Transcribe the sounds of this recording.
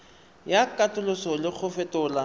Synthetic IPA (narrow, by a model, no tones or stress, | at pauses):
jakʼatʼʊlʊsɔlɪk͡xʰʊfɛtʊla